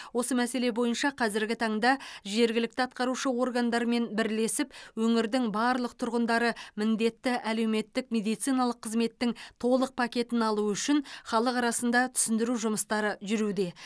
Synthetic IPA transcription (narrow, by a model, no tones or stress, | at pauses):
wo̞səmæse̞le̞bo̞jənʃɑqʰɑzɪɾɡʲɪt̪ʰɑɴd̪ɑʒe̞ɾɡʲɪlɪk̚t̪ɪɑt̪̚qɑɾuʃəwo̞rɡand̪ɑɾəme̞nbɪɾle̞sɪpwɵŋɪɾd̪ɪŋbɑɾlˠəq̚t̪ʰʊɾʁənd̪ɑɾəmɪnd̪e̞t̪ːɪʔæle̞wme̞t̪ːɪkmʲe̞d̪ijt̪sijnɑlˠəqʰːəzme̞t̪ːɪŋt̪ʰo̞lˠəq̚pʰakʲe̞t̪ɪnɑlˠuʏʃɪnχɑlˠəqɑɾɑsənd̪ɑt̪ʰʏ̥sɪnd̪ɪɾuʒʊməst̪ɑɾəʒʏɾud̪e̞